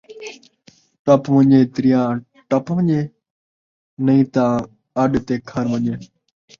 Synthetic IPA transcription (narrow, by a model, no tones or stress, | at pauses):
ʈəpʋə̃ɲeːt̪ɾɪjãː | ʈəpʋə̃ɲeː | nəĩːt̪ãː | əɗt̪eːkʰəɾʋəɲeː